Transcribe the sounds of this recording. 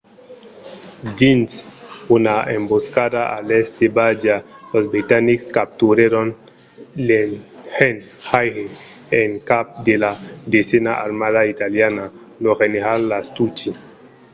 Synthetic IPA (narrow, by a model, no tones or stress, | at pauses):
d͡ʒinsunaemboskadaalest̪ebad͡ʒalozbɾit̪anikskap̚t̪uɾeɾon | lenhen | hajhe | eŋkap̚d̪elad̪esenaʔa̰ɾmaðait̪aljana | noɣeneɾallast̪ut͡ʃi